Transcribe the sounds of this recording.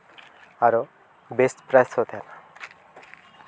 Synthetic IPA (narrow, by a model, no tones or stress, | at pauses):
aɾo | besʈpɾajsɦot̪ʰeena